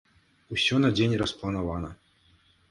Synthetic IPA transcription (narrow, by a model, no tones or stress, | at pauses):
usʲɔnɐd͡zʲenʲrɐsplˠɐnavanɐ